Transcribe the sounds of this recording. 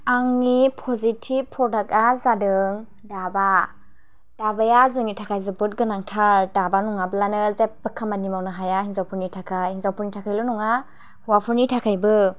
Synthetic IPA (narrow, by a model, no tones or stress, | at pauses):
aŋnipʰɔzitʰib̚pʰːɾɔdak̚azadɯŋ | daba | d̥abajazɯŋnitʰakʰajzɯbɯt̚ɡɯnaŋtʰaɾdabanuŋabɯlanɯzep̚bɯkʰːamanimawnaɦajaɦizawpʰuɾnitʰakʰajhizawpʰuɾnitʰakʰajlɔnuŋa | hwapʰuɾnitʰakʰajbɯ